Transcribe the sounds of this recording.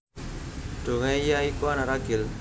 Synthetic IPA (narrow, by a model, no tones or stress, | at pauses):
ɖ̥o̤ŋaijaikuanaɾaɡɪl